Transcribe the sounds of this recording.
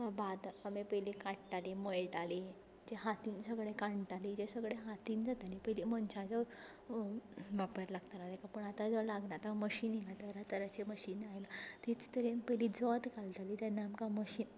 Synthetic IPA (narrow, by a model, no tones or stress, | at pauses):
bad̪amepəjlikaʈʈalimojʈali | d͡ʑeɦat̪iːnsəɡɽekãɳʈalid͡ʑesəɡɽeɦat̪iːnd͡zat̪alipəjlimənɕad͡zɔ | ʋapəɾlaɡt̪alad̪ekapəɳat̪ad͡zlaɡnat̪aməɕiːnjilat̪əɾat̪əɾat͡ɕeməɕiːnajlat̪et͡st̪əɾenpəjlid͡zɔt̪kalt̪alit̪janːaːmkaməɕiːn